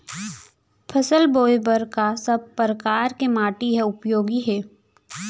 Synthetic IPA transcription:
pʰɐsəlboːjbəɾkasɐb̚pɾəkaːɾkemaːʈiɦɛʊpjoːɡiɦɛː

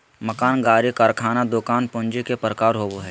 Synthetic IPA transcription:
mɐkaːnɡaːɾikaɾkʰaːnad̪okaːnpʊ̃nd͡ʒikepɾəkaːɾɦoːboɦɛː

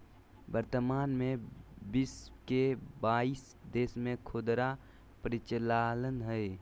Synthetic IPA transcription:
bəɾt̪əmaːnmẽbiskebaːis | d̪eːsmẽkʰod̪ɾa | pəɾɪt͡ʃəlaːlənɦəe

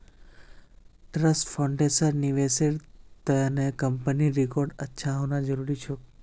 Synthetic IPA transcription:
ʈɾəsʈfʰaɳɖesəɾniʋeseɾt̪əanekəmpəniɾikɔɾɖətːʃʰaɦõnãd͡ʒəɾuɾit͡ʃʰo

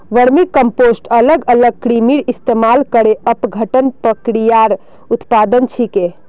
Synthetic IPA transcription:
ʋəɾmikəmposʈələɡələɡ̚kɾimiɾist̪emalkəɾeəpɡʱəʈənpɾəkɾijaɾ | ut̪pad̪ənt͡ʃʰike

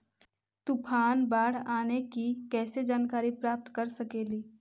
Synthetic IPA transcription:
t̪ʊpʰaːnbaːɽ̤aːnekikɛːsed͡ʒaːnkaːɾipɾaːp̚t̪kɐɾsɐkeːliː

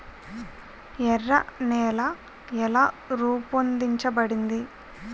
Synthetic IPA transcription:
ɛrːɐnɛːla | ɛlaː | ɾuːpɐnd̪iɲt͡ʃɐbɐɽind̪i

